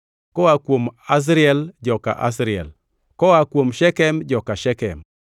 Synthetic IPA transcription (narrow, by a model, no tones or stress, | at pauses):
kɔwakwomas̬ɾiɛld͡ʒɔka̰ʔa̰s̬ɾiɛ̰l | kɔwakwomʃɛkɛmd͡ʒɔkaʃɛkɛ̰m